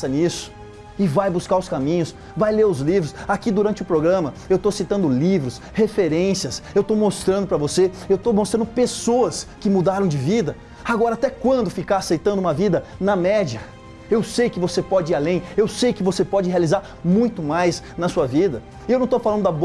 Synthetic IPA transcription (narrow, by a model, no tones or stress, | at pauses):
ɐnisʊ̥ | ɪvajbuskaɾʊskamĩɲʊs | vajleɾʊzlivɾʊsakid̪uɾɐ̃nt͡ʃɪʊpɾoɡɾɐ̃mɐewt̪osit̪ɐ̃nd̪ʊlivɾʊs | hefeɾẽsiɐsewt̪owmost̪ɾɐ̃nd̪ʊpɾɐvoseewt̪owmost̪ɾɐ̃nd̪ʊpesoɐskɪmud̪aɾɐ̃w̃d͡ʒɪvid̪ɐ | aɡɔɾɐat̪ɛkwɐ̃nd̪ʊfikaasejt̪ɐ̃nd̪ʊũmɐvid̪ɐnɐmɛd͡ʒiɐ | ewsejkɪvosepɔd͡ʒɪiɾalẽj̃ewsejkɪvosepɔd͡ʒɪhealizaɾ | mũj̃t̪ʊmajsnɐsuɐvid̪ɐ | ewnɐ̃w̃t̪owfalɐ̃d̪ʊd̪ɐab